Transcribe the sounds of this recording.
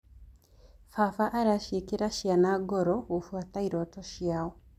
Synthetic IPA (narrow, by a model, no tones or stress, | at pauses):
fafaʔːɾaʃikiɾaʃjanaɡoɾɔofwataiɾotɔʃjaːwɔ